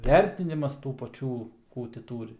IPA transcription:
ˈʋʲɛrʲtʲɪnʲɪmɐs tuː pɐˈt͡ʃʲuː ˈkuː tʲɪ ˈtuːrʲɪ

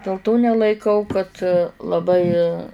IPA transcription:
dʲeːlˠ ˈtoː nʲɛlˠɐɪˈkɐʊ kɐt lˠɐˈbɐɪ

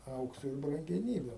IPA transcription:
ˈɐʊksoː ɪr brɐŋʲɡʲɛˈnʲiːbʲʊ

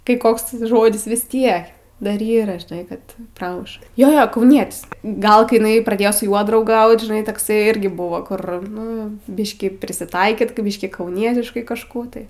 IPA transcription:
kɐɪ ˈkoːks ˈʒoːdʲɪs ʋʲɪs ˈtʲiɛk ˈdɐr ˈiːrɐ ʒʲɪˈnɐɪ ˈkɐt ˈprɑːmʊʃ ˈjoː ˈjoː kɐʊˈnʲiɛtʲɪs ˈɡɐlˠ kɐɪ ɪˈnɐɪ prɐˈdʲeːjoː sʊ ˈjuɔ drɐʊˈɡɐʊt ʒʲɪˈnɐɪ tɐkˈsɐɪ ˈɪrʲɡʲɪ ˈbʊʋoː ˈkʊr ˈnʊ ˈbʲɪʃʲkʲiː pʲrʲɪsʲɪˈtɐɪkʲiːt kɐ ˈbʲiːʃʲkʲiː kɐʊˈnʲiɛtʲɪʃkɐɪ kɐʃˈkuː tɐɪ

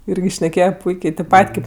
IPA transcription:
ˈɪrʲɡʲɪ ʃʲnʲɛˈkʲeːjɛ ˈpʊɪkʲeː tʲeːp ˈpɐtʲ ˈkʲeːp

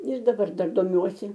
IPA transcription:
ɪr dɐˈbɐr ˈdɐr doːˈmʲuɔsʲɪ

